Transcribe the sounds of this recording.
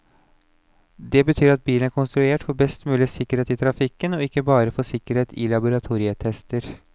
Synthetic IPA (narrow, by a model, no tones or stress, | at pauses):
d̪ɛbət̪ʰyːɾɑt̪̚biːlənæɾkʊnst̪ɾʉeːʈfɔɾbɛst̪mʉːlɪsɪkːəɾheːt̪ɪːt̪ʰɾɑfɪkːənɔɪkːəbɑːɾəfɔsɪkːəɾheːt̪ʰɪ̰lɑbʊɾɑt̪ʰuːɾɪət̪ʰɛst̪əɾ